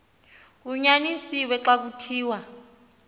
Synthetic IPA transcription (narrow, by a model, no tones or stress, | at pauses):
kuɲanisiwɛǁak̬utʰiːwa